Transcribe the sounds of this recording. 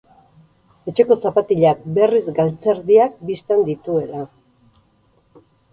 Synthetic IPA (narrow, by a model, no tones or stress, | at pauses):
e̞t͡ʃe̞ko̞t͡sapat̪iʎak̚be̞rizɡalt͡seɾðiak̚bist̪end̪it̪ue̞la